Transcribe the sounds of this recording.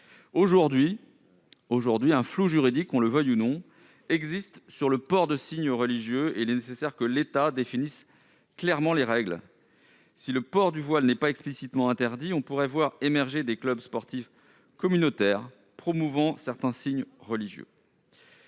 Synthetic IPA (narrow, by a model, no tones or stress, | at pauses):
oʒuʁd̪ɥi | oʒuʁd̪ɥiɛ̃floʒyʁid̪ikɔ̃ləvœjunɔ̃ | ɛɡzist̪syʁləpɔʁd̪əsiɲʁəliʒjøeilɛnesesɛʁkəlet̪ad̪efinis | klɛʁmɑ̃leʁɛɡl | siləpɔʁd̪yvwalnɛpaɛksplisit̪mɑ̃ɛ̃t̪ɛʁd̪iɔ̃puʁɛvwaʁemɛʁʒed̪eklœbspɔʁt̪if | kɔmynot̪ɛʁ | pχɔmuvɑ̃sɛʁt̪ɛ̃siɲʁəliʒjø̰